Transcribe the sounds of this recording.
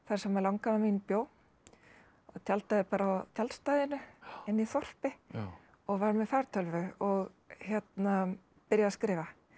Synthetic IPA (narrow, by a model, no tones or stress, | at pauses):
θaɾ̥sɛmalawŋkanaminpjoːw | ɔt̪ʰjalt̪aðɪpaːɾaːwt̪ʰjalst̪ajðɪnʏɪnːiθɔr̥pɪ | ɔɣvaɾmɛfaɾ̥t̪ʰœlvʏɔɣ | çjɛt̪na | pɪɾjaðaskɾɪːva